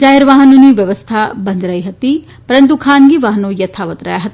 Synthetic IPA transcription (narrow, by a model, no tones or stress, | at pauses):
d͡ʒaːɦɪɾʋaːɦənoniʋjɐʋəst̪ʰabɐ̃nd̪ɾɐiɦɐt̪i | pɐɾə̃nt̪ukʰaːnɡiʋaɦənõjɐt̪ʰaːʋət̪ɾɐ̰jaɦɐt̪